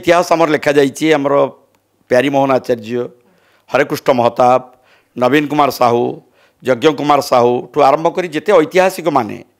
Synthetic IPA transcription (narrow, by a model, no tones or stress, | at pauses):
jt̪iɦasamɔɾelekʰad͡ʒajt͡ʃʰiamɔɾɔ | pjaɾimɔɦɔnat͡ʃaɾd͡ʒiɔ | hɔɾekɾusʈɔmɔɦɔt̪ab̚ | nɔbinkumaɾɔsaɦu | d͡ʒɔɡjɔŋkumaɾɔsaɦuʈʰuaɾɔmbʱɔkɔɾid͡ʒet̪eɔjt̪iɦasikɔmanḛ